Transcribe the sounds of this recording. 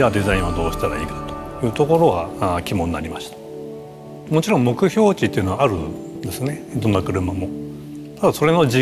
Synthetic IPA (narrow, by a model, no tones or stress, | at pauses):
ad̪e̞zaĩɰ̃βad̪o̞ːɕi̥t̪aɾa̰iːkḁt̪o̥jɯ̟ːt̪o̞ko̞ɾo̞ɡakʲimõ̞nːaɾʲimaɕi̥t̪ḁ | mo̞t͡ɕiɾõmmo̞kɯ̟çʲo̞ːt͡ɕit̪ːe̞iɯ̟noaaɾɯ̟ | nd̪e̞sɨne̞d̪õ̞nːakɯ̟ɾɯ̟mamo̞ | t̪ad̪aso̞ɾe̞no̞d͡ʑi